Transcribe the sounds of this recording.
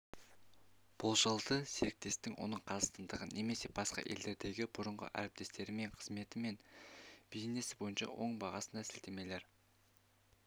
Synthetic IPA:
b̥ʊlˠʒəlˠd̪əseɾɪk̚t̪e̞st̪ɪŋwo̞̰nəɴqʰɑzəst̪ənd̪əʁəne̞me̞se̞bɑsqɑ̰ʔe̞ld̪e̞ɾd̪e̞ɡʲɪbʊɾəɴʁə̰ʔæ̰ɾɪp̚t̪ʰe̞st̪e̞ɾɪme̞ɴqʰəzme̞t̪ɪme̞nb̥ejene̞sɪbo̞jənʃɑ̰wʔo̞ɴbɑʁɑsənɑsɪlt̪e̞meleɾ

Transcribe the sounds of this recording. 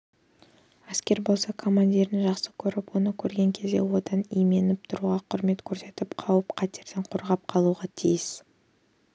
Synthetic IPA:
æskʲe̞ɾbo̞lˠsɑkʰo̞mand̪ʲiɾɪnʒɑqsə̥kʲʰɵɾɪpwo̞nəkʲʰɵɾɡʲe̞ŋkʲʰe̞zd̪ḛwo̞d̪ɑnijme̞nɪp̚t̪ʰʊɾuʁɑqʰʊɾme̞t̪kʲʰɵɾse̞t̪ɪpqʰɑwəpqʰɑt̪eɾd̪eɴqʰoɾʁɑp̚qʰɑlˠuʁɑt̪ʰijɪs

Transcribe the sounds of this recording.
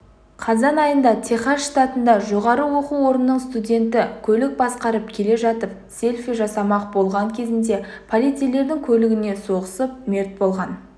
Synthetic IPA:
qʰɑzɑnɑjənd̪ɑt̪ʲʰe̞χɑːt̪ɑt̪ənd̪ɑʒo̞ʁɑɾəwo̞quwo̞ɾənːəɴst̪udʲe̞nt̪ɪkʲʰɵlɪk̚bɑsqɑɾəpkʲʰe̞le̞ʒɑt̪əp̚se̞lʲfiʒɑsɑmɑqbo̞lˠʁɑŋkʲʰe̞zɪnd̪e̞pʰolʲˠijt̪sijle̞ɾd̪ɪŋkʲʰɵlɪɡʲɪne̞so̞ʁəsəp̚meɾt̪̚bo̞lˠʁɑn

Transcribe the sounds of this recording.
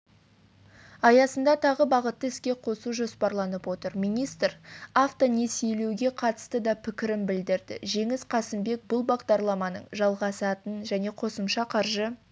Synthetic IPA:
ɑjɑsənd̪ɑt̪ʰɑʁəbɑʁət̪ːəɪskʲe̞qʰo̞suʒo̞spɑɾlˠɑnəpwo̞t̪əɾmijnijst̪ɾaft̪one̞se̞jle̞wɡʲe̞qʰɑt̪ə̥st̪əd̪ɑpʰɪkʲɪɾɪnbɪld̪ɪɾd̪ɪ̰ʒe̞ŋɪsqʰɑsɪmbe̞k̚bʊlˠbɑʁd̪ɑɾlˠɑmɑnəɴʒɑlˠʁɑsɑt̪ənʒæne̞qʰo̞səmʃɑqʰɑɾʒə

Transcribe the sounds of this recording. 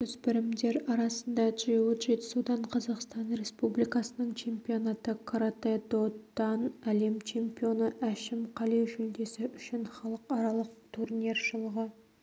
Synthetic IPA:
kɵzbɪɾɪmd̪e̞ɾɑɾɑsənd̪ɑʒ̥ewuʒe̞t̪ɪ̥sud̪ɑɴqʰɑzɑqst̪ɑnɾe̞spublijkɑsənəɴt͡ʃʰe̞mpio̞nɑt̪əkʰoɾat̪ed̪ot̪ːɑnæle̞mt͡ʃʰe̞mpio̞nəʔæʃɪmqʰɑlejʒʏld̪e̞sɪʔʏʃɪnχɑlˠəqɑɾɑlˠəq̚t̪ʰurnʲe̞rʒəlˠəʁə

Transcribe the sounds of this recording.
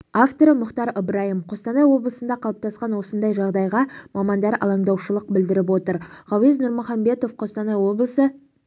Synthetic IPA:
aft̪o̞ɾəmʊχt̪ɑɾəbɾɑjəmqʰo̞st̪ɑnɑjwo̞blˠəsənd̪ɑqʰɑlˠəp̚t̪ɑsqɑnwo̞sənd̪ɑjʒɑʁd̪ɑjʁɑmɑmɑnd̪ɑɾʔɑ̰lˠɑɴd̪ɑwʃəlˠəq̚bɪld̪ɪɾɪpwo̞t̪əɾʁɑwɪznʊɾmʊχɑmbe̞t̪o̞fqʰo̞st̪ɑnɑjwo̞blˠəsə

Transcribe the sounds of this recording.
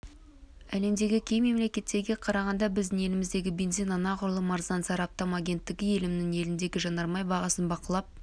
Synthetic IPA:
æle̞md̪e̞ɡʲɪkʲʰe̞jme̞mle̞kʲe̞t̪ːe̞ɾɡʲe̞qʰɑɾɑʁɑnd̪ɑbɪzd̪ɪŋe̞lɪmɪzd̪e̞ɡʲɪbenzijnɑnɑqʊɾlˠəmɑɾzɑnzɑɾɑp̚t̪omɑɡʲe̞nt̪ːɪɡʲɪje̞lɪmnɪŋe̞lɪnd̪e̞ɡʲɪʒɑnɑɾmɑjbɑʁɑsənbɑqəlˠɑp̚

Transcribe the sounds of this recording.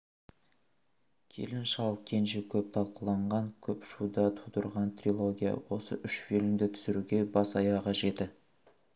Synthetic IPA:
kʲʰe̞̰lɪnʃɑlˠkʲʰe̞nʒɪkʲʰɵp̚t̪ʰɑlˠqəlˠɑɴʁɑŋkʲʰɵpʃud̪ɑt̪ʰud̪əɾʁɑnt̪rilˠoɡʲijɑ̰wo̞sə̰ʔʏʃfelɪmd̪ɪt̪ʰʏ̥sɪɾuɡʲe̞bɑsɑjɑqɑʒe̞t̪ɪ

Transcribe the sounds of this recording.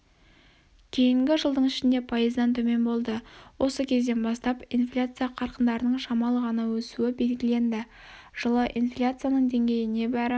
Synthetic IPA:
kʲʰe̞jɪŋɡʲɪʒəlˠd̪əɴɪʃɪnd̪e̞pʰɑjəzd̪ɑnt̪ʰɵme̞nbo̞lˠd̪əwʔo̞səkʲʰe̞zd̪e̞nbɑst̪ɑpinflʲat̪sɨjaqʰɑɾqənd̪ɑɾənəɴʃɑmɑlˠəʁɑnɑwɵsuɪbe̞lɡʲɪle̞nd̪ɪ | ʒ̥əlˠəʔinflʲat̪sɨjanəɴd̪e̞ŋɡʲe̞jɪne̞bæɾɪ

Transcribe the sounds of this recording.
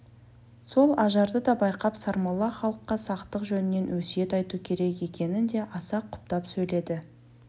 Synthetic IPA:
so̞lˠɑʒɑɾd̪əd̪ɑbɑjqɑpsɑɾmɑlˠɑχɑlˠəqːɑsɑqt̪əqʒɵnɪne̞nwɵsije̞t̪ɑjt̪ukʲʰe̞ɾe̞kje̞kʲe̞nɪnd̪e̞ʔɑsɑqʰːʊ̥p̚t̪ɑpsɵjle̞d̪ɪ

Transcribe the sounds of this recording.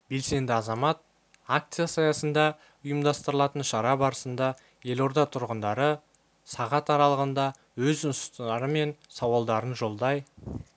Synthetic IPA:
be̞lse̞nd̪ɪɑzɑmɑt̪̚ | ak̚t̪sɨjasɑjɑsənd̪ɑ | ʊjəmd̪ɑst̪əɾəlˠɑt̪ənʃɑɾɑbɑɾəsənd̪ɑ | je̞lo̞ɾd̪ɑt̪ʰʊɾʁənd̪ɑɾə | sɑʁɑt̪ɑɾɑlˠəʁənd̪ɑ | wɵzʊnsə̥st̪əɑɾəme̞nsɑwɑlˠd̪ɑɾənʒo̞lˠd̪ɑj

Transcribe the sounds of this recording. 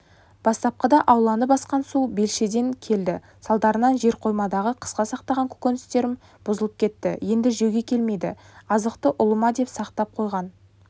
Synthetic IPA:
b̥ɑst̪ɑp̚qəd̪ɑʔɑwlˠɑnəpɑsqɑnsube̞lʃe̞d̪e̞ŋkʲʰe̞ld̪ɪ | sɑlˠd̪ɑɾənɑnʒe̞ɾqʰo̞jmɑd̪ɑʁəqʰə̥sqɑsɑq̚t̪ɑʁɑŋkʲʰɵ̥kʲenɪst̪e̞ɾɪm | b̥ʊzəlˠəp̚kʲʰe̞t̪ːɪ̰je̞nd̪ɪʒeɡʲe̞kʲʰe̞lme̞jd̪ɪ̰ | ɑzəqt̪əʔʊlˠəmɑd̪e̞psɑqt̪ɑp̚qʰo̞jʁɑn

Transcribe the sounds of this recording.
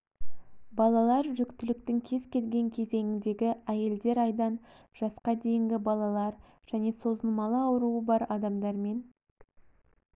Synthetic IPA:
bɑlˠɑlˠɑɾʒʏkt̪ɪlɪk̚t̪ɪŋkʲʰe̞zkʲʰe̞lɡʲe̞ŋkʲʰe̞ze̞ŋɪnd̪e̞ɡʲɪæje̞ld̪e̞ɾɑjd̪ɑn | ʒ̥ɑsqɑd̪e̞jɪŋɡʲɪbɑlˠɑlˠɑɾ | ʒ̥æne̞so̞zəlˠmɑlˠəɑwəɾuəbɑɾɑd̪ɑmd̪ɑɾme̞n

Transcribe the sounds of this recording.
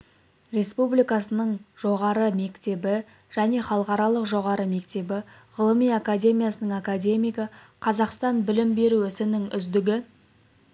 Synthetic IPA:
ɾe̞spublijkɑsənəɴʒo̞ʁɑɾəme̞kt̪e̞bɪ | ʒ̥æne̞χɑlˠəqɑɾɑlˠəqʒo̞ʁɑɾəme̞k̚t̪e̞bɪ | ʁəlˠəmijakad̪ʲe̞mijasənəɴakad̪ʲe̞mijkə | qʰɑzɑqst̪ɑnbɪlɪmbe̞ɾuɪsɪnɪŋʏzd̪ɪɡʲɪ

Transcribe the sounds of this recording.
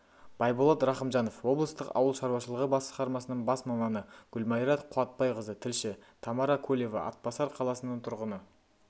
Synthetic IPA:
b̥ɑjbolˠɑt̪ɾɑχəmʒɑno̞fwo̞blˠəst̪əqɑ̰wəlˠʃɑɾwɑʃəlˠəʁəbɑsə̥qɑɾmɑsənəɴbɑsmɑmɑnəɡ̥ʊlmɑjɾɑt̪qʰʊɑt̪̚pɑjqəzət̪ʰɪlʃɪt̪ʰɑmɑɾɑkʰɵlʲe̞vɑ̰ʔɑ̰t̪̚pɑsɑɾqʰɑlˠɑsənəɴt̪ʰʊɾʁənə

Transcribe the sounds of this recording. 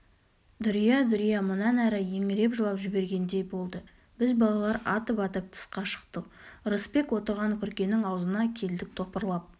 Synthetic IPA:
d̪ʊɾijɑd̪ʊɾijɑmʊnɑnæɾɪje̞ŋɪɾe̞pʒəlˠɑpʒʏbe̞ɾɡʲe̞nd̪e̞jbo̞lˠd̪ə | b̥ɪzbɑlˠɑlˠɑɾɑt̪əpɑt̪əp̚t̪ʰə̥sqɑʃə̥qt̪əqɾəspe̞kwo̞t̪əɾʁɑŋkʲʰʏɾkʲe̞nɪŋɑwəzənɑkʲʰe̞ld̪ɪk̚t̪ʰopəɾlˠɑp̚

